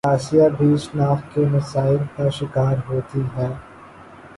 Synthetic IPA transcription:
aːʃijabʱiʃnaːft̪kemɐsaːɪlkaʃɪkaːɾɦoːt̪iɦɛː

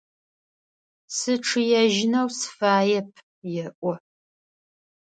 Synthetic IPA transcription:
sɨʈ͡ʂʰɨjɛʒɪnɐwsfaːjɛpʰ | jɛʔʷɔ

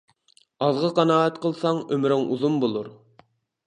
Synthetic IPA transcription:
ɑzʁəqɑnɑːɛt̪qʰəlˠsɑŋømɾɪŋʔṵzumbolˠuɾ

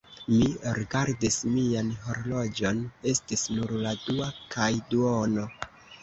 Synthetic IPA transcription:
miɾiɡaɾdismianɦo̞ɾlo̞d͡ʒo̞ne̞stisnuɾladuakʰajduono̞

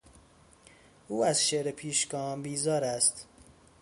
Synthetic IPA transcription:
ʔuːæzʃeɾepʰiːʃɡɒːmbiːzɒːɾæst̪

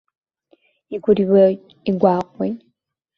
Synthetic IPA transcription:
iɡuɾiβe | iɡwaːkwe

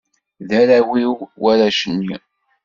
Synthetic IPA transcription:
ðæɾæwiwwæɾæʃənːi

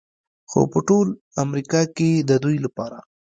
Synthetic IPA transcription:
xo̰pəʈol | amɾikɑked̪əd̪ujlapɑɾa̰

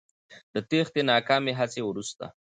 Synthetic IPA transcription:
d̪ət̪ext̪enɑkɑmeɦat͡sewɾust̪a̰

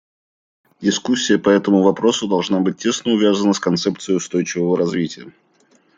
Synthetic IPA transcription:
dʲɪskusʲːɪjəpɐɛt̪əmʊvɐpɾo̞sʊd̪ɐlˠʐnabɨt̚ʲːe̞snəʊvʲazənəskɐnt̪sɛpt̪sɨjɪʊst̪o̞jt͡ɕɪvəvəɾɐzvʲitʲɪjə

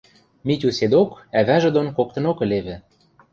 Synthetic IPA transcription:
mit̪ʲused̪okæβæʒɘ̆d̪onkok̚t̪ɤ̆nokɘ̆leβɘ̆

